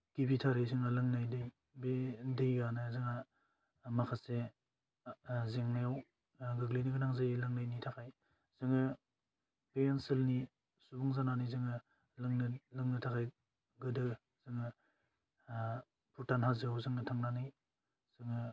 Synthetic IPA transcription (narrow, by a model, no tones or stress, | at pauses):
kibitʰaɾɯzɯŋalɯŋnajdɯj | bedɯjɡanɯzɯŋa | makʰase | zeŋnajaw | ɡɯɡliniɡɯnaŋzajlɯŋnajnitʰakʰaj | z̥ɯŋɯ | pejensɯlni | subuŋzananɯjzɯŋɯ | lŋnlɯŋnɯtʰakʰaj | ɡɯdɯ | zɯŋɯ | pʰuɾtanɦazɯawzɯŋɯtʰaŋnanɯj | z̥ɯŋɯ